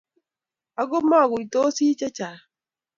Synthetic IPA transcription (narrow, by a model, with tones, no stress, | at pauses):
a˦ɡo˦ma˦˨ɡʊ˨i˨to˦si˦t͡ʃɛ˦t͡ʃa˨